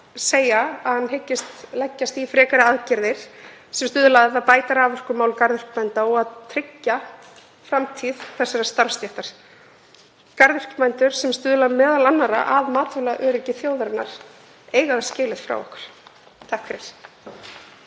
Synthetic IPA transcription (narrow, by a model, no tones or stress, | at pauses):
seːjaaðhanːɦecːɪst̪lɛcːast̪ifɾɛːkaɾɪaðcɪɾðɪɾ̥ | sɛmst̪ʏːðʏlaðaðpaːjt̪aɾaːvœr̥kʏmaːwlkaɾðʏr̥kmɛjnt̪aɔɣaðt̪ʰɾɪcːa | fɾamt̪ʰið̥θɛsːaɾast̪aɾfst̪jɛht̪aɾ̥ | kaɾðʏr̥kmɛjnt̪ʏɾ̥sɛmst̪ʏːðʏlamɛːðalanːaɾa̰ʔaðmaːt̪vʏlaʔœːɾɪcɪθjoːwðɾɪnːa̰ɾ̥ | eːjɣaðḁscɪːlɪðfɾa̰wɔ̰hkʏ̥ɾ̥ | t̪ʰahkʰfɾɪɾ̥